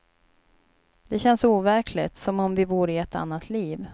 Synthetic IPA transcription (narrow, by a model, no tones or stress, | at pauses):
d̪̥ɛɕɛnsuːvæɾkʰlɪt̪sɔmɔmvɪbuːɾɪɛt̪a̰nːat̪ʰliːv